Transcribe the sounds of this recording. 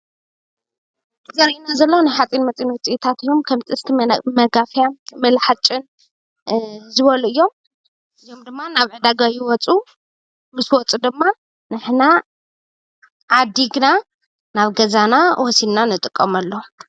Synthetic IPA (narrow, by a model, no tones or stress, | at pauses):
zɐɾinazɐlːonajħat͡sʼinmɐt͡sʼinwʊt͡sʼiʔit̪ʰat̪ɨjːo̞mkʰɐmt̪ʼɨst̪ʰimɐɡafjamɐlħat͡ʃʼɨn | zɨβɐluɨjːo̞m | ʔɨjːo̞md̪ɨmːanaβʕɨd̪aɡajiwɔt͡sʼu | mɨswɔt͡sʼud̪ɨmːa | nɨħna | ʕad̪ːiɡɨna | naβɡɐzanawɔsidnanɨt̪ʼɨkʼːɐmɐlːo